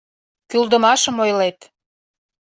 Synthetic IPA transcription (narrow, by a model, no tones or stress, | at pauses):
kyld̪ə̆mɑʃə̆mojlet̪